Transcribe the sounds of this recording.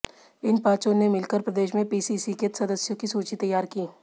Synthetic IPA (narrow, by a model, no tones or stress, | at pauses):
ɪnpãːt͡ʃõnemɪlkəɾpɾɐd̪eːʃmẽpiːsiːsikət̪sɐd̪əsjõkisuːt͡ʃit̪ɐjːaːɾkiː